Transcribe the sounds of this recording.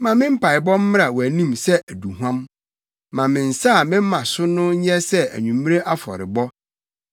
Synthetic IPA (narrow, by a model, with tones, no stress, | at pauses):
mã˨mɪ̃˦m̩˦pʰa˨ɪ˨bɔ̃˦m̩˦m˦ɾa˨wæ˨nĩ˦˨msɛ˦ʔæ˨du˨ɦwã˦m | mã˨mɪ̃˨n̩˨saː˦˨mɪ̃˦m̩˦mã˨sʊ˦nʊ̃˦ɲ˦ɛ˦sɛ˦æ̰˨ɲũ˨m̃˦ɾe˦ʔa˦fɔ̰˨ɾɪ̰˨bɔ˦